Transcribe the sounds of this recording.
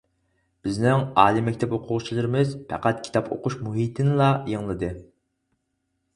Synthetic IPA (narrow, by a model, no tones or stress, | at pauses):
b̥ɪznɪŋɑːlˠimɛkʲʰt̪ʰɛpoqʰʊʁt͡ʃʰilˠɨɾɪmɪzpʰɛ̰qæt̪kʲʰi̥t̪ɑpʰo̰qʊʃmuɦit̪ʰɪnɪlˠɑjeŋlˠɨd̪ɨ